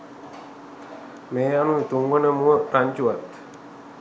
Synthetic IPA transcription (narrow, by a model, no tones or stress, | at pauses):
mejanũit̪uŋɡonəmuət̪aɲt͡ʃuat̪